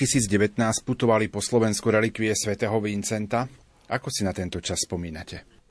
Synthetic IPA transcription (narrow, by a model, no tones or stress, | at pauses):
isiːd͡zɟɛʋɛt̪naːsc̚put̪ɔʋalipɔslɔʋɛnskuɾɛlikʋiɛsʋɛt̪ɛːɦɔʋint͡sɛnt̪a | akɔsinat̪ɛnt̪ɔt͡ʃasːpɔmiːnacɛ